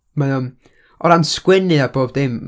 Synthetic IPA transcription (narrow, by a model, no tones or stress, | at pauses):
maʊn | ɔɾanskwɪnɨaboːb̚dɪm